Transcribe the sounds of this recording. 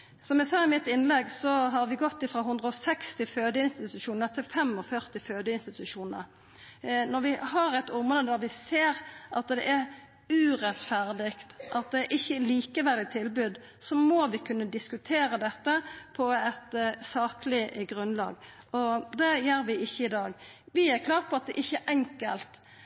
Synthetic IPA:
sɔmæsɑːɪmɪt̪ːɪnlɛɡsɔɦɑɾʋɪɡɔt̪ːɪfɾɑɦʉnd̪ʁəɔsɛkst̪ɪføːd̪əɪnst̪ɪt̪ʉʃuːnəɾt̪ʰɪlfɛmɔfœʁt̪ɪføːd̪əɪnst̪ɪt̪ʉʃuːnə̰ɾ | nɔɾʋɪhɑɾɛɪt̪ɔmɔd̪əd̪æʁʋɪseːɾʔɑt̪d̪ɛ̰ʔæʁ | ʉʁɛt̪fæʁd̪ɪkt̪ʔɑt̪̚d̪ɛæɾʔɪçːəliːkəʋæɾɪt̪ʰɪlbʉd̪ | sɔmɔʋɪkʰʉnːəd̪ɪskʉt̪ʰeːɾəd̪ɛt̪ːəpʰɔɛt̪sɑːklɪɡɾʉnːlɑ̰ːɡ | ɔd̪ɛjøːɾʋɪɪçːəɪd̪ɑːɡ | ʋɪæɾkʰlɑːʁt̚pʰɔɑt̪̚d̪ɛʔɪçːəʔɛŋkəlt̪

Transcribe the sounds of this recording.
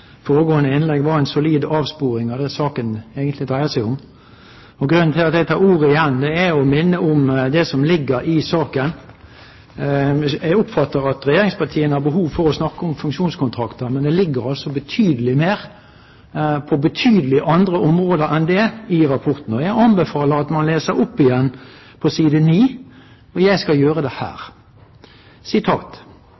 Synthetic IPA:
foːɾəɡoːənd̪əɪnlɛɡʋɑɾæɪnsʊliːd̪ɑːʋspuːɾɪŋɑd̪ɛsɑːkənæɪɡənt̪lɪd̪ɾæɪəsæɪʊm | ɔɡɾʉnːnt̪ʰɪlɑt̪̚d̪æɪt̪ʰɑːuːʁəɪjɛnd̪ɛɛɔmɪnːəʔʊmd̪ɛsɔmlɪɡːəɾɪsɑːkən | æʊpfɑt̪ːəɾɑt̪ɾɛjeːɾɪŋspɑt̪ʰiːənhɑʁbəɦuːʋfɔʁɔsnɑkːəɔmfʉŋkʃuːnskʰʊnt̪ʰɾɑkt̪əɾmɛnd̪ɛlɪɡːəɾɑlsɔbət̪ʰyːd̪əlɪmeːʁ | pʰɔbət̪ʰyːd̪əlɪʔɑnd̪ʁəʔɔmʁoːd̪əɾɛnd̪ɛɪʁɑpʰɔɾt̪n̩ɔjæɪɑnbɛfɑːləʁɑt̪mɑnleːsəʔʊpːɪjɛn | pʰɔsiːd̪əniː | ɔjæɪskɑljøːʁəd̪ɛhæ̰ːʁ | sɪt̪ʰɑːt̪

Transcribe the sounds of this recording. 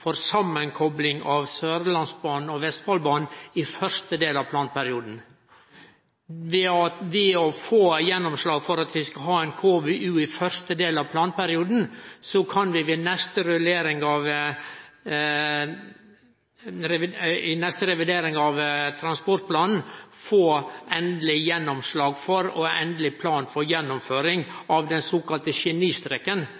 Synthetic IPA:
fɔɾsɑmːənkʰɔblɪŋɑʋsøːɾlɑnsbɑːnn̩ɔʋɛst̪bɑːlbɑːnnɪfœɾʂt̪əd̪eːlɑʋpʰlɑːnpʰæɾɪuːd̪n̩ | ʋɛɑt̪d̪ɪɔfoːjɛnːɔmslɑːɡfɔɾɑt̪ʰʋɪskɑɦɑːænkʰoːʋɛʔʉːɪfœɾʂt̪əd̪eːlɑʋpʰlɑːnpæɾɪuːd̪n̩sɔkʰɑnʋɪʋɛːnɛst̪əɾɛleːɾɪŋɑʋ | ɾɛʋɪɪnɛst̪əɾɛʋɪd̪eːɾɪŋɑʋt̪ʰɾɑnspɔɾʈ̪̚pʰlɑːnn̩foːʔɛnd̪lɪjɛnːɔmslɑːɡfɔɾɔ̰ɛnd̪lɪpʰlɑːnfɔɾjɛnːʊmføːɾɪŋɑʋd̪ɛnsoːkɑlt̪əʃɪniːst̪ɾɛkːən

